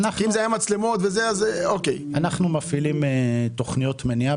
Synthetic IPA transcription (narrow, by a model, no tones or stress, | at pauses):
naχiimzeajamat͡slemo̞t̪vezeazeokejanaχnumafilimet̪oχnijot̪menia